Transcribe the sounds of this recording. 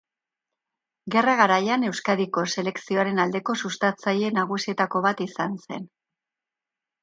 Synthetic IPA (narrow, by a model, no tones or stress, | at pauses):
ɡe̞raɣ̞aɾajane̞wskaðiko̞se̞le̞ksio̞aɾe̞nald̪e̞ko̞sust̪at͡saje̞naɣ̞usie̞t̪ako̞βat̪isanse̞̰n